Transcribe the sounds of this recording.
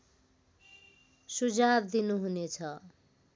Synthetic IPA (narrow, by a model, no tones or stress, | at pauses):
sud͡zabd̪inuɦunet͡sʰʌ